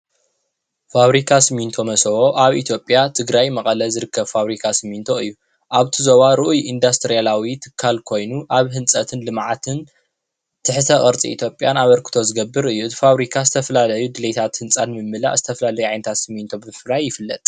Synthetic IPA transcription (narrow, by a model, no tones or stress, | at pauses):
faβɾikʰasɨmint̪ʰomɐsɐwo̞ʔaβʔit̪ʰjo̞pʼːjat̪ʰɨɡɾajmɐχʼɐlɐzɨɾɨkʰːɐβfaβɾikʰasɨmːint̪ʰo̞ɨjːu | ʔaβt̪ʰizoβaɾɨʔujind̪ast̪ʰɾijalawit̪ʰɨ̥kʰːalkʰo̞jnuʔaβɦɨnt͡sʼɐt̪ʰɨnlɨmʕat̪ʰɨn | t̪ʰɨħt̪ʰɐχʼɨɾt͡sʼḭḭt̪ʰjo̞pʼjanaβɐɾkʰɨ̥t̪ʰo̞zɨɡɐbːɨɾɨjːuɨt̪ʰfaβɾikʰazɨt̪ʰɐfɐlalɐjud̪ɨlet̪ʰat̪hɨnt͡sʼanmɨmːɨla̰ʔzɨt̪ʰɐfɐlalɐjuʕajnɐt̪ʰat̪sɨmːint̪ʰo̞bɨmfɨlajːɪfɨlːɐ̰t̪ʼ